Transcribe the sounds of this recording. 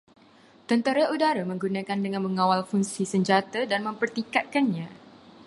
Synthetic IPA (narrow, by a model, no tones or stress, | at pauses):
t̪ənt̪aɾaʔudaɾamə̃ŋɡunãkandəŋãnməŋãwalfuŋsisəɲd͡ʒat̪adanmə̃mpərt̪ikat̪̚kanɲã